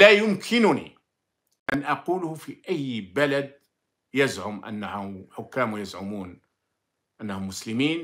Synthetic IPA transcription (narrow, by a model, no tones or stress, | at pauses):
æjʊmkʰɪnʊnḭ | ʔænʔɑquːlʊhʊfiʔæjːbælad̪̚ | jazʕʊmʔa̰nːaʊħʊkːæːmjazʕʊmuːn | ʔanːahʊmːʊslɪmiːn